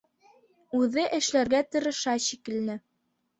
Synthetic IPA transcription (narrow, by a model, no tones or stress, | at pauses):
ʉðɘʔɘ̆ʃlæɾɡæt̪ɤ̆ɾɤ̆ʃɑɕikɘ̆lnɘ